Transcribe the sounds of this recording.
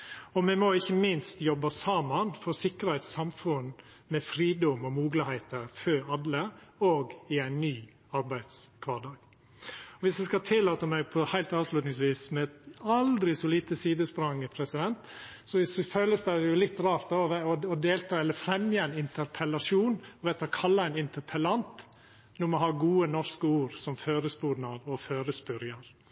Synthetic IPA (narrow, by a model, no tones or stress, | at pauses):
ɔmɛmɔɪçːəmɪnst̪jɔbəsɑmɑnfɔɾsɪkːəɾhæɪt̪sɑmfʉn | mɛfɾiːd̪ɔmɔmuːɡlɪhæɪt̪əɾføɾɑlːəoːɡɪæɪnːyː | ɑɾbæɪd̪skʰʋɑːɖɑːɡ̥ | ɔʋɪsd̪ɛskɑt̪ʰɪlːɑːt̪əmɛɡ̚pʰɔhæɪlt̪ɑːʋslʉːt̪nɪŋs̬ʋiːsmɛt̪ɑld̪ɾɪsɔliːt̪əsiːd̪əspɾɑŋːəpʰɾɛsɪd̪ɛnt̪sɔsɔføːləsd̪æɪjʊlɪt̪ːɾɑːɾt̪̚d̪ɔɔʋɔɔd̪eːlt̪ʰɑːɛlːəɾfɾɛmjəæɪnɪnt̪ʰəɾpʰəlɑʂuːnɔʋɛt̪ʰɑkʰɑlːɑæɪnɪnt̪ʰəɾpʰəlɑnt̪ | nɔmɔɦɑːɡuːənɔʂkəuːɾsɔmføːɾəsbuːdɳɑɾɔføːɾəsbʏɾjɑɾ